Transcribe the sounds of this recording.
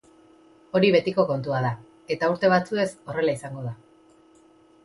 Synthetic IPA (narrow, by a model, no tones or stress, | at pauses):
o̞ɾiβ̞e̞t̪iko̞ko̞nt̪uað̞a | e̞t̪auɾt̪e̞β̞at͡sue̞so̞re̞laisaŋɡo̞ða